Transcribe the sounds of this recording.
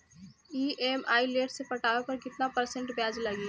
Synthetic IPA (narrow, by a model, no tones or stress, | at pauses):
iːʔeːmaːileːʈsepɐʈaːepɐɾkɪt̪napɐɾsẽɳʈbjaːzlɐɡiː